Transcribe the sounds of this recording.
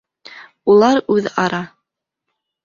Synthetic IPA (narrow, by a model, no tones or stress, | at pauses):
ulˠɑɾʉðɑɾɑ